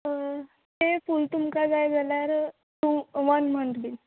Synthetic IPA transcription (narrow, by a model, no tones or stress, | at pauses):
hefult̪umkad͡zajd͡zʱaljaɾ | t̪uʋanməɳʈ̪bil